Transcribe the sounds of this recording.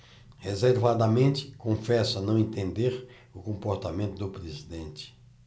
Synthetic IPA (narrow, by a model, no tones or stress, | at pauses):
hezeɾvad̪ɐmẽnt͡ʃ̪ɪ̥kõfɛsɐnɐ̃w̃ẽnt̪ẽnd̪eɾ | ʊkõmpoɾt̪amẽnt̪ʊd̪ʊpɾezid̪ẽnt͡ʃɪ̥